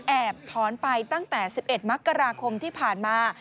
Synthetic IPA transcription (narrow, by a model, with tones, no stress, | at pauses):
ʔɛː˨˩p̚t̪ʰɔː˩˦npa˧jt̪a˥˩ŋt̪ɛː˨˩si˨˩p̚ʔe˨˩t̪̚ma˦˥kːa˧ɾaː˧kʰo˧mt̪ʰiː˥˩pʰaː˨˩nmaː˧